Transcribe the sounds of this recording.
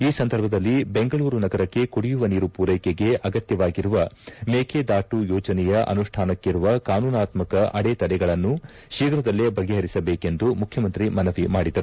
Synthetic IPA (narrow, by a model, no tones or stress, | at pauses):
iːsɐnd̪ɐɾbʱɐd̪ɐlːibe̞ŋɡɐɭuːɾunɐɡɐɾɐkːe̞kuɽijuʋɐniːɾupuːɾɐjkeɡe̞ʔɐɡɐt̪jɐʋaːɡiɾuʋɐmeːkʰed̪aːʈujɔːd͡ʒɐnɛjɐʔɐ̰nuʂʈʰaːnɐkːiɾuʋɐkaːnuːnaːt̪mɐkɐʔɐɽet̪ɐɽɛɡɐɭɐnːu | ʃiːɡɾɐd̪ɐlːebɐɡɛɦɐɾisɐbeːke̞nd̪umukʰjɐmɐnt̪ɾimɐnɐʋimaːɽid̪ɐɾu